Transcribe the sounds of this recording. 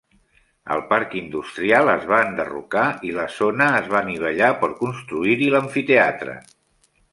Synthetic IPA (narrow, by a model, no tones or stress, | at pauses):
ə̰lˠpaɾkind̪ust̪ɾialˠəzβaənd̪ərṵkailəzonəːzβaniβ̞əʎapəɾkunst̪ɾuiɾiləɱfit̪eat̪ɾə̰